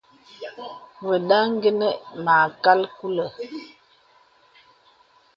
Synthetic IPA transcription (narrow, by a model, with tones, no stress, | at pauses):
wə˨ɗa˦ŋ˦ɡə˦nə˦ma˨ka˦lku˦lə˨